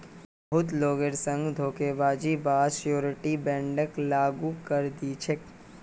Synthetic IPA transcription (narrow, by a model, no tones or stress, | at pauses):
bɐɦʊt̪loːɡeɾsə̃ŋɡd̪ʱoːkeʋaːd͡ʒibaːsjoːɾɪʈibɛ̃ːɳɖəklaːɡukəɾd̪it͡ʃʰek